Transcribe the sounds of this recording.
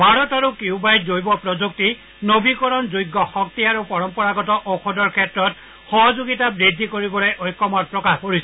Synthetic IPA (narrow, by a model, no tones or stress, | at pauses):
bʱaɹɔtaɹukiubajzojbɔpɹɔzuk̚ti | nobʱikɔɹɔnzojɡːɔxɔk̚tiaɹupɔɹɔmpɔɹaɡɔtɔʔɔkʰɔdɔɹkʰɛtɹɔt̚ | xɔɦɔzoɡitabɹidʱːikoɹibɔlojʔɔjkːɔmɔt̚pɹɔkaxpoɹisɔ